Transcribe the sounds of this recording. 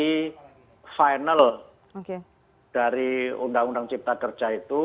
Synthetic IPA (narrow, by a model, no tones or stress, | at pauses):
i | fajnəl | oke | d̥aɾiundaŋundaŋt͡ʃip̚t̪akər̥ʒ̥ait̪u